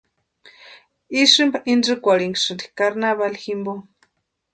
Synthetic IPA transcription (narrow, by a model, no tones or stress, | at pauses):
iʂɨmbaʔind͡ʒɨkʷaɺiŋɡʂɨnd̪ikaɾnaβalximbo